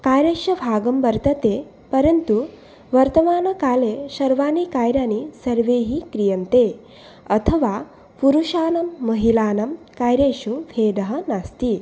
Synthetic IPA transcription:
kaːjɾeːʂɐbʱaːɡɐmbɐɾt̪ɐt̪e | pɐɾɐnt̪u | ʋɐɾt̪ɐmaːnɐkaːleʃɐɾʋaːnikaːjɾaːnisɐɾʋeːɦikɾijɐnt̪e | ɐt̪ʰɐʋa | puɾuʃaːnɐmːɐɦilaːnɐm | kaːjɾeːʃuʋʰeːd̪ɐɦɐnast̪i

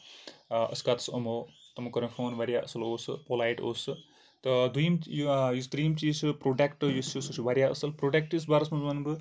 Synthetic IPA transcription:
ʔɐ̰skaːt̪ɐ̥sɐmoːt̪ɐmukɐɾɐmfʰoːnʋɐɾʲjaʔɐsɐloːsɨ̰poːlaːjʈo̰ːsɨ | t̪ɨd̪ujimjjust̪ɾijimt͡ʃiːsɨpɾoːɖekʈɨjusususʰiʋaɾijaɐ̰sɐlpɾoːɖek̚ʈjus̬baːɾɐsmɐzmɐnbɨ

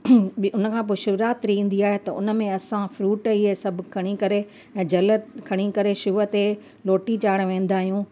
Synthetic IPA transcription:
ʊnəkʰãːp̬oːʃʊʋɾaːt̪ɾiĩːn̆d̪iaːɦet̪ɐʊ̰n̆mẽɐsãfɾuːʈiɦesɐb̆ʱkʰɐɽ̃ikɐɾe | ɛ̃ːd͡ʑɐlət̪kʰɐɽ̃ikɐɾeʃuːət̪e | loːʈit͡ɕaːɽ̃ʋẽːn̆d̪aːɦijũː

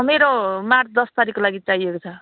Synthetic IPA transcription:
meɾomad̪ʌst̪aɾikolaɡit͡sajekot͡sʰʌ

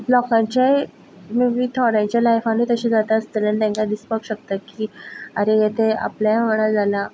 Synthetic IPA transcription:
blɔkãɲt͡ɕa | mimiːt̪ʰɔɽãɲt͡ɕjalajfanit̪əɕĩd͡zat̪aəst̪ələɳt̪ɛ̃ŋkad̪ispəkɕək̚t̪akiːəɾejet̪ea̰pljaʋəɽad͡zʱala

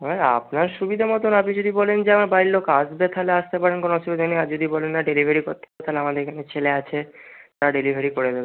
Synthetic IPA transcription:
ɔa̰pnaɾʃubid̪ʱamɔt̪̬onapid͡ʑod̪ibɔlend͡ʑeamaɾbajlokasbet̪ʰaleaʃt̪epaɾenkonoɔʃubid̪ʱaniad͡ʑod̪ibɔlenːaɖelibʱeɾikoɾt̪ːebet̪ʰaleamad̪eɾekʰanet͡ɕʰeleat͡ɕʰet̪aɾaɖelibʱeɾikoɾed̪ebe

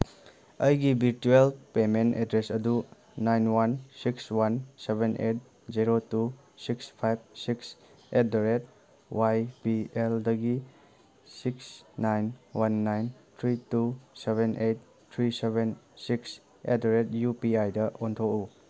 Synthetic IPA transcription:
əjɡibʱiɾtuelpementedɾesɐdu | najnwansikswansebenʔet̚ | ziɾotu | sikspʰajb̚siks | et̚doɾet̚ | wʔajbieldɐɡi | siksnajnwanːajntʰɾituseβenʔejt̚ | tʰɾisebensiks | ḛdeɾet̚jupiajdɐʔontʰoku

